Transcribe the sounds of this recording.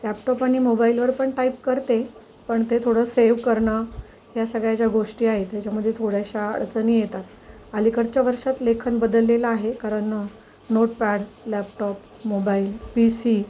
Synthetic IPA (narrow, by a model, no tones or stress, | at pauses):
læpʈɔpaɽ̃imobailʋəɾpəɳʈaipkəɾt̪e | pəɳt̪et̪ʰoɽəseʋkəɾɳə | ɦjasəɡɭjat͡ɕjaɡoʂʈiːaɦet̪jat͡ɕjaməd̪ʱːjet̪ʰoɽjaɕaə̰ɭt͡sənijet̪at̪ | alikəɽt͡ɕjaʋəɾʂat̪lekʰənbəd̪əlːelaaɦekaɾəɳə | noʈpɛɽlæpʈɔp | mobailpisi